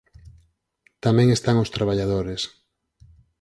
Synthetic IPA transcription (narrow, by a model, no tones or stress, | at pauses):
t̪amɛ̃ŋest̪aŋost̪ɾaβ̞aʎaðoɾes